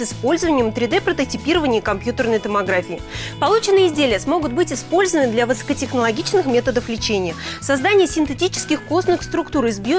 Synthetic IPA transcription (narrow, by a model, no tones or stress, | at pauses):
ɨspo̞lʲzəvənʲɪjəmt̪ɾʲɪd̪ɛpɾət̪ətʲɪpʲiɾəvənʲɪjəkɐmpjut̪ərnəjt̪əmɐɡɾafʲɪːpɐlˠut͡ɕɪnːɨjəɪzʲdʲelʲɪjəsmo̞ɡʊt̪̚bɨtʲɪspo̞lʲzəvənɨd̪lʲavɨsə̥kətʲɪxnəlˠɐɡʲit͡ɕnɨxmʲe̞t̪əd̪əflʲɪt͡ɕenʲɪjəsɐzd̪anʲɪjəsʲɪnt̪ɨtʲit͡ɕɪ̥skʲɪxkosnɨxst̪ɾʊkt̪uɾɪzbʲjo